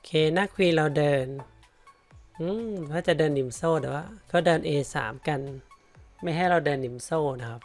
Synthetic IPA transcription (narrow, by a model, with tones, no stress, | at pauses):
kʰeː˧˩na˦˧˥kʰwiː˧ɾa˧wdɤː˧n | ʔɯ˧˥a˧˩t͡ɕa˧˦dɤː˧nːi˨˦msoː˧˩˨daː˨˩˦wa˧˨kʰa˧˩dɤː˧nʔeː˧sa̰ː˨˩˦mka˧n | ma˧˥˩jɦa˧˥˩jɾa˧wdɤː˧nːi˨˩˦msoː˧˩na˧kʰa˧˥p̚